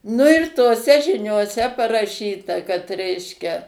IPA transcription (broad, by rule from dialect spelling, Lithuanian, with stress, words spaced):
nʊ ɪr toːˈsʲɛ ʒʲɪnʲoːˈsʲɛ pɐrɐˈʃʲiːtɐ kɐt ˈrʲɛɪʃʲkʲɛ